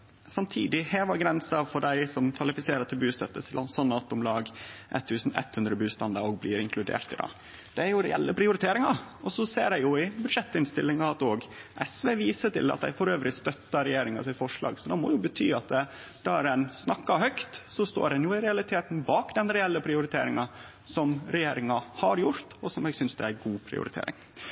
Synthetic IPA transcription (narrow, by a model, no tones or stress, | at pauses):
sɑmt̪ʰḭːd̪ɪheːʋɑɡɾɛnsɑfɔɖæɪsɔmkʰʋɑlɪfɪseːɾət̪ʰɪlbʉːst̪œt̪ːəsɪlɑsɔnːɑt̪ʊmlɑːɡʔɛ̰t̪ʰːʉːsn̩ɛ̰t̪ːhʉnd̪ɾəbʉːst̪ɑnd̪ɑɾɔɡ̚blɪːɾɪŋkʰlʉd̪ḛːɾt̪ɪd̪ɑ̰ː | d̪̥ɛæɾjʊɾɛ̰ɛ̰lːəpʰɾɪʊɾɪt̪ʰeːɾɪŋɑɔsɔseːɾæɪjʊɪbʉd̪ʂɛt̪ːɪnst̪ɪlːɪŋɑɑt̪oːɡʔɛsʋeːʋiːsət̪ɪ̰lɑ̰t̪d̪æ̰ɪfɔɾøːʋɾɪst̪œt̪ːɑɾɛjeːɾɪŋɑsɪt̪fɔʂɭɑ̰ːɡsɔd̪ɛmɔ̰jʊbət̪ʰy̰ːɑt̪̚ə | d̪̥æɾɛnsnɑkːɑɾhœkt̪sɔst̪o̰ːɾɛnjʊɪɾɛɑlɪt̪ʰeːt̪n̩bɑːkd̪ɛnɾɛɛlːəpʰɾɪʊɾɪt̪ʰḛːɾɪŋɑ | sɔmɾɛjeːɾɪŋɑhɑɾjʊɾt̪ɔsɔmæɪsʏnsd̪ɛæɡuːpʰɾɪ̰ʊ̰ɾɪt̪ʰḛːɾʔɪ̰ŋ